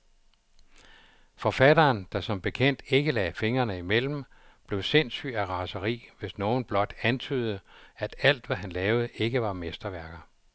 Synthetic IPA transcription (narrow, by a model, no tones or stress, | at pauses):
fɒ̽fæd̥ɐːnd̥ɑ̈sɒ̽mb̥e̝kʰen̰d̥e̝ɡ̥əlɛːfe̝ŋɐnəimel̰m̩ | b̥le̝ʊse̝n̰sy̰ːæʁɑ̈səʁḭːʋe̝sno̝ːn̩b̥lɒ̽d̥ænt͡sʰy̰ːð̞ˠəæd̥æl̰d̥ʋæɦænlɛːʊð̞̩ˠəʔe̝ɡ̥əʋɑ̈mesd̥ɐʋæɐɡ̥ɐ